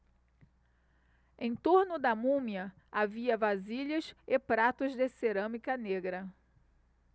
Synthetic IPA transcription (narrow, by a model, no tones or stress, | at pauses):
ẽj̃t̪oɾnʊd̪ɐmũmiɐ | aviɐvaziʎɐsɪpɾat̪ʊzd̪ɪseɾɐ̃mikɐneɡɾɐ